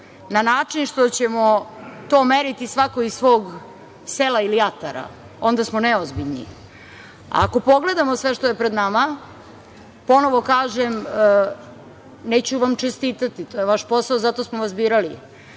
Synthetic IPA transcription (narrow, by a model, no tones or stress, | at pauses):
nanaːt͡ʂinʃt̪ot͡ɕemot̪o̞ːmeɾit̪isʋakoizʋo̞ːɡ | selailijat̪aɾa̰ | o̞nd̪asmoneozbiʎnḭ | a̰ːko̞po̞ɡle̞d̪amosʋe̞ʃt̪ojepɾed̪nama | po̞no̞ʋo̞kaːʒem | neːt͡ɕuʋamt͡ʂest̪iːt̪at̪it̪o̞ːjeʋaʃpo̞saozat̪o̞smoʋazbiːɾali